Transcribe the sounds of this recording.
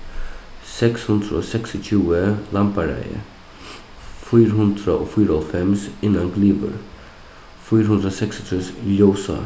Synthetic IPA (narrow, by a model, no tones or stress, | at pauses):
sɛkshʉnd̪ɾə̰oːsɛksɪc͡çʰʉːəlɑmpəɾæ̰ɪə̰ | fyːɾɦʉnd̪ɾəʔoːfyːɾəɔlfɛmsɪnːanɡliːbə̰ɾ | fyːɾhʉnd̪ɾoːsɛksɪt̪ʰʉːsjoʊsa̰